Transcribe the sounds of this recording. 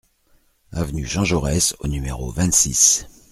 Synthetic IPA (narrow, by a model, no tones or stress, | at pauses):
avnyʒɑ̃ʒɔʁɛsonymeʁo̰vɛ̃t̪sis